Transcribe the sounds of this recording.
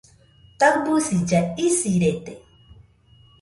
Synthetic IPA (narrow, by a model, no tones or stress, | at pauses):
t̪akbusid͡ʒaisiɾet̪e